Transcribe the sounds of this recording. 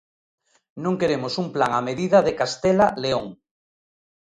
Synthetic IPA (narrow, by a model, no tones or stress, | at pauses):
nõŋkeɾemosumplaŋameðiðaðekast̪elaleoŋ